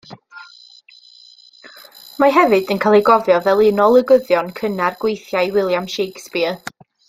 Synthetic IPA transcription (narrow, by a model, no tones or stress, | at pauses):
maɦɛvɨdənkʰalˠɛɡɔvjɔvɛlˠɪnɔlˠəɡəðjɔnkʰənarɡ̥wejθjajwɪlˠjamʃejɡspiə